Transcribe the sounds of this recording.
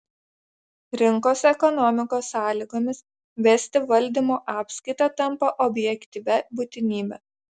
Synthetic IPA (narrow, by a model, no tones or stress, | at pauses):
ɾʲɪŋkoːsɛkɔnɔmʲɪkoːsːɑːlʲiːɡoːmʲɪs | ʋʲɛsʲt̪ʲɪʋɐlʲˑd̪ʲimoːʔɑːpskɐɪt̪ɑt̪ɐmˑpɐʔɔbʲjɛkʲt̪ʲiʋʲɛbuːt̪ʲɪnʲiːbʲɛ